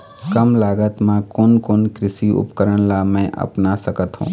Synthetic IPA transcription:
kəmlaɡət̪mãkoːnkoːnkɾɪsiṵpkəɾəñlamɛ̃ʔə̰pnasəkət̪ɦṵ̃ː

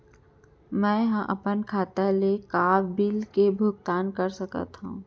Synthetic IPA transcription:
mɛ̃ːɦãʔɐpənkʰaːt̪alekaːbbɪlkebʱʊɡ̚t̪aːnkɐɾsɐkə̰t̪ɦṵ̃ː

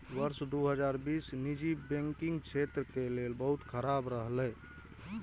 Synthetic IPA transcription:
wəɾsd̪uɦəd͡ʒaɾbisnid͡ʒibɛ̃ŋkiŋɡkt͡ʃʰet̪ɾəkelelbəɦut̪kʰəɾabɾəɦlɛj

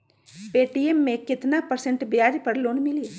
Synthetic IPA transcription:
peːʈiemːẽkɪt̪napəɾsə̃ɳʈbjaːɾpəɾloːnmɪlie

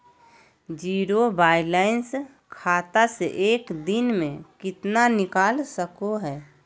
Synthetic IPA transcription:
d͡ʒiːɾobaːɪlaːɪns | kʰaːt̪aseʔeːkd̪ɪnmẽkɪt̪nanɪkaːlsəkoɦɛː

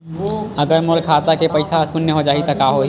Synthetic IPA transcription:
ɐɡəɾmʊlkʰaːt̪akepɐɪsasʊnːeɦod͡ʒaːit̪ɐkaːɦo

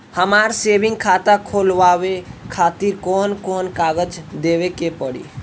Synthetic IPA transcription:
həmaːɾseːbɪ̃ŋɡ̚kʰat̪akʰolʋawekʰaːt̪iɾkɔːnkɔːnkaːɡəd͡ʒd̪eʋekepəɽḭː

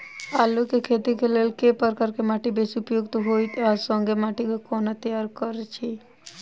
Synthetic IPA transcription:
alukekʰet̪ikelelkepəɾkəɾkemaʈibesupjoɡt̪oɦojt̪asɔ̃ŋɡemaːʈikekɔːnat̪əjaɾkəɾt͡ʃʰi

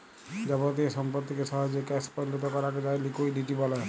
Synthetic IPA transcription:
d͡ʒɛbɔt̪̬iʃɔmpɔt̪ːikesɔɦɔd͡ʒekɛspɔɾlɔt̪ɔkɔɾaked͡ʒajlikojɖiʈibɔlɔ

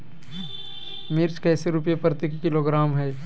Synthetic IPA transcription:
mɪɾt͡ʃkɛːseɾʊpjepɾət̪ekːɪloɡɾaːmɦɛː

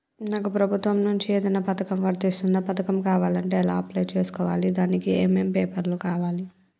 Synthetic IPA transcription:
naːkupɾɐbʱut̪ʋɐmnuɲt͡ʃieːd̪ɐjnaːpɐt̪ɐkɐmʋɐɾt̪ist̪und̪apɐt̪ɐkɐmkaːʋaːlɐɳʈeːla̰ːɐplejt͡ʃe̞ːsu̥kɔːʋaːlid̪aːnikiemempeːpɐɾloːkaːʋaːli

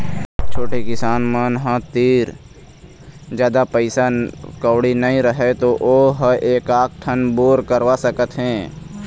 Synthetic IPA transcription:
t͡ʃʰoːʈikɪsaːnmənɦãt̪iːɾ | d͡ʒjaːd̪apəɪsakəːɽinəĩɾəɦet̪oʔoːɦəʔeːkaːk̚ʈʰənboːɾkəɾwasəkət̪ɦɛ̃ː

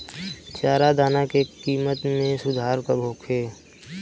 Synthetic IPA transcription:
t͡ʃaːɾad̪aːnakekiːmət̪mẽsʊd̪ʱaːɾkabʱoːkɦeː

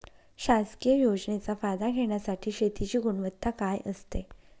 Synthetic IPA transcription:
ɕaskiəjod͡zɳet͡safajd̪aɡʱeɳ̃jasaʈʰiːɕet̪it͡ɕiːɡuɳʋət̪ʰːakajʔəst̪e

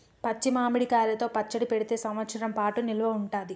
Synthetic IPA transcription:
pɐt͡ʃːimaːmiɽikaːlɐt̪o̞ːpɐt͡ʃːɐɽipeɽit̪e̞ːsɐmʋɐt̪sɐɾɐmpaːʈunilɐʋɐuɳʈaːd̪i

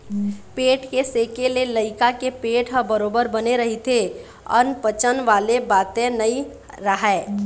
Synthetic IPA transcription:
peːʈkeseːkeleləɪkakepeːʈɦəbəɾoːbəɾbəneɾɐɦit̪ʰe | ɔ̰ːnpət͡ʃənʋaːlebaːt̪ẽnəi | ɾəɦɛː

